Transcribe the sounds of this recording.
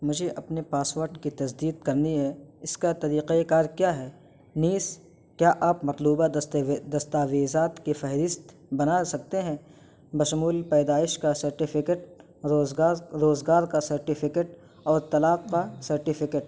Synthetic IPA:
mʊd͡ʒʱeʔɐpnepaːsʋəɾɖkit̪ɐsd̪iːd̪̚kɐɾniɦɛɪskat̪ɐɾiːqeekaːɾkjaːɦɛː | niːs | kjaːʔaːpmɐt̪luːbad̪ɐst̪aːʋeːzaːt̪kefɛɦɾɪst̪ | bɐnasɐk̚t̪eɦɛ̃ | bɐʃʊmuːlpɛːd̪aːɪʃkasɐɾʈɪfʰɪkeʈː | ɾoːzɡaːɾkasɐɾʈɪfʰɪkeʈ | ɔːɾt̪ɐlaːq̚kasɐɾʈɪfʰɪkeʈ̚

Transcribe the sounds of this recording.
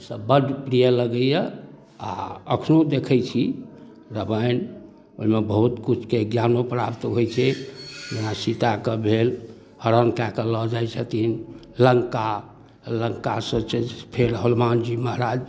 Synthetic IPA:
səbəɖpɾijələɡəjə | a̰əkʰnod̪ekʰəjt͡ʃʰi | ɾəbəjn | oimebəɦut̪kut͡ʃʰkeɡjanopɾapt̪ɦojt͡ʃʰɛd͡ʒenasit̪akəbʱel | həɾənkɛkəlɔd͡ʒajt͡ʃʰət̪in | ləŋka | ləŋkasət͡ʃʰɛpʰeɾɦəlmand͡ʒiməɦɾad͡ʒ

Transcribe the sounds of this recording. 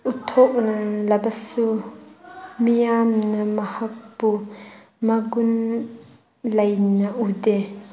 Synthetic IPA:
ʔut̪ʰɔʔ̚nɐlɐbɐsu | mijaːmnɐmɐhɐk̚pu | mɐɡʊn | lɐjnaʔudɛ

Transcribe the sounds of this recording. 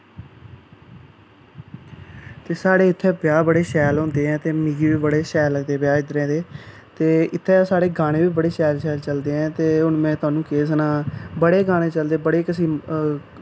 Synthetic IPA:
t̪eːsaːɽeːɪt̪ʰːɛːpɪjaːbəɽeːʃɛːlɦõːnd̪eːɦɛ̃ːt̪eːmiːɡiːʋiːbəɽeːʃɛːlːəɡd̪eːbjaːɪd̪ɾɛ̃ːd̪eː | t̪eːɪt̪ʰːɛːsaːɽeːɡaːɽ̃ẽːʋiːbəɽeːʃɛːlʃɛːlt͡ʃəld̪eːɦɛ̃ːt̪eːʊnmɛ̃ːt̪ʊaːnũːkeːs̬nãːbəɽeːɡaːɽ̃ẽːt͡ʃəld̪eːbəɽeːkəsiː

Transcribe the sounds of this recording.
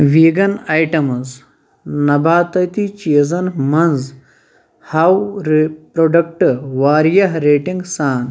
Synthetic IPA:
ʋiːɡɐnajʈɐmɐz | nɐbʱaːt̪ɐjt̪it͡ʃiːzɐnmɐnz | hɐwɾpɾoːɖɐk̚ʈʋaːɾjɐɦɾeːʈĩŋɡsaːn

